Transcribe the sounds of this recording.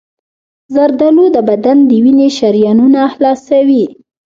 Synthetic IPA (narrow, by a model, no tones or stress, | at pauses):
zaɾd̪alod̪əbad̪and̪əwineʃaɾjɑnunalɑsawi